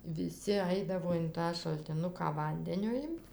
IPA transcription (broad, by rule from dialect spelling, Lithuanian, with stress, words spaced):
ʋʲɪˈsʲɪ ˈɐɪdɐʋoː ɪn ˈtɑː ʃɐlʲtʲɪˈnʊkɑː ˈʋɐnʲdʲɛnʲoː ˈɪmt